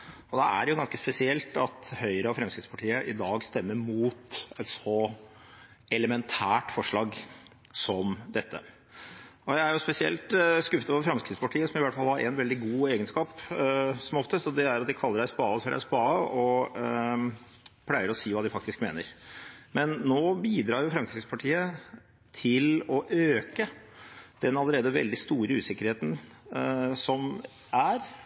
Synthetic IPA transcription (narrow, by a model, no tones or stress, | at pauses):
ɔd̪ɛæ̰ɾjʊɡɑnskəspɛsɪɛlt̪ɑt̪hœʏɾəɑfɾɑmskɾɪt̪spɑʈʰiːəʔɪd̪ɑːɡst̪ɛmːəɾmuːt̪ɛt̪sɔ | ɛləmɛnt̪ʰæːʈfɔʂɭɑːɡ | sɔmd̪ɛt̪ːə̰ | ɔjæɪæɾjʊspɛsɪɛ̰lt̪skʉfət̪ʋɔɾfɾɑmskɾɪt̪spɑʈʰiːəsɔmɪʋæʈːfɑlˠhɑɾʔɛ̰nʋɛld̪ɪɡuːeːɡənskɑːpsɔmɔft̪əst̪ɔd̪ɛæɾɑt̪̚d̪ɪkʰɑlːəɖæɪspɑːfɔɖæ̰ɪspɑːəɔ | pʰlæɪəɾɔsiːʋɑːd̪ɪfɑkt̪ɪskmḛːnə̰ɾmɛnːoːbiːd̪ɾɑːɾjʊfɾɑmkɾɪspʰɑʈʰiːə | t̪ʰɪlɔʔøːkə | d̪̥ɛnɑlːəɾeːd̪əʋɛ̰ld̪ɪst̪uːɾəʉ̰ːsɪkːəɾheːt̪n̩ | sɔm | æɾ